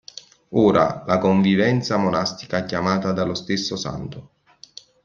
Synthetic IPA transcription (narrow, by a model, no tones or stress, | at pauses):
oːɾʔa̰lakoɱvivɛnt̪samonast̪i̥kaɛkːjamaːt̪ad̪alost̪esːʊsa̰nt̪ʊ